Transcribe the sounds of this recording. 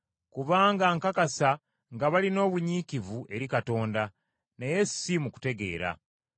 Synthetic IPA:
kuβaːŋɡaŋkakasa | ŋɡaβalino̞ːβuɲikivuʔe̞ɾikato̞ːnda | neje̞simuku̥te̞ɡe̞̰ːɾa̰

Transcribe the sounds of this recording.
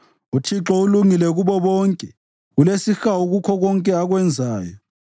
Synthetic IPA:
utʰiǁɔuluŋilɛɣuβɔβɔŋkʼɛ | ɣulesixauɣukʰɔɣɔŋkʼɛaɣwɛnd͡zʱaːjɔ

